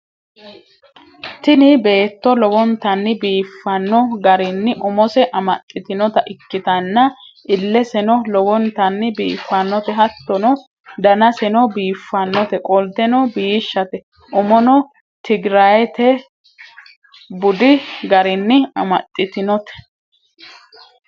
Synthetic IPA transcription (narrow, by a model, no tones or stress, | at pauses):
t̪ɪnɪbe̞ːt̪ːɔlɔwɔnt̪ɐnːɪbiːfːɐnːɔɡɐɾɪnːɪʔʊmɔsɛʔɐmɐ̰t̪ʼːɪt̪ɪnɔt̪ɐʔɪkːɪt̪ɐnːɐʔɪlːɛsɛnɔlɔwɔnt̪ɐnːɪbiːfːɐnːɔt̪ɛɦɐt̪ːɔnɔ | d̪ɐnɐsɛnɔbiːfːɐnːɔt̪ɛkʼɔld̪ɛnɔbiːʃːɐt̪ɛ | ʔʊmɔnɔ | t̪ʰɪɡɾajɛt̪ɛ | bʊd̪ɪɡɐɾɪnːɪɐ̰mɐt̪ʼːɪt̪ɪnɔt̪ɛ̥